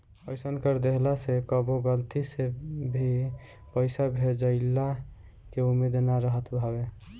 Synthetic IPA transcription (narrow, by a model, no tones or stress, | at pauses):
əjsənkəɾd̪eɦlasekəboɡəlt̪isebʱi | pəɪsabʱed͡ʒaɪlːa | keumed̪naɾəɦət̪bʱabe